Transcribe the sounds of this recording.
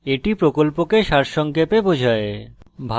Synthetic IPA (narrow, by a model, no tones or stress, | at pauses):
eʈipɾokolpokeʃaɾʃɔŋkepebod͡ʑʱaebʱa